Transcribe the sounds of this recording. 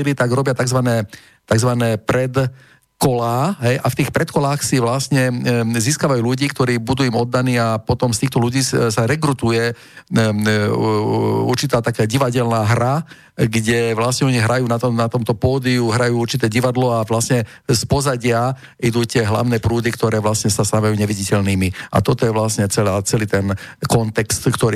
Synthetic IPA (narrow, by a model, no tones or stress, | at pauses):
ilit̪aɡɾɔbɪat̪aɡzʋanɛː | t̪aɡzʋanɛːpɾɛt̪ | kɔlaːɦɛjʔaft̪iːxpɾɛt̪kɔlaːxsiʋlasɲɛziːskaːʋajuːʎuɟiːkt̪ɔɾiːbud̪uːimɔd̪ːaniːapɔt̪ɔmst̪iːxt̪ɔʎuɟiːsaɾɛkɾut̪ujɛ | ṵɾt͡ʃit̪aːt̪akaːɟiʋaɟɛlnaːɦɾa | ɡɟɛʋlasɲɛɔɲiɦɾajuːnat̪ɔnat̪ɔmt̪ɔpɔːd̪iuɦɾajuːuɾt͡ʃit̪ɛːɟiʋad̪lɔaʋlasɲɛ | spɔzaɟɪa | id̪uːt̪ɪɛɦla̰ʊnɛːpɾuːd̪ikt̪ɔɾɛːʋlasɲɛsast̪aʋajuːɲɛʋiɟicɛʎniːmia̰t̪ɔt̪ɔjɛʋlasɲɛt͡sɛlaːt͡sɛliːt̪ɛnkɔnt̪ɛkst̪kt̪ɔɾi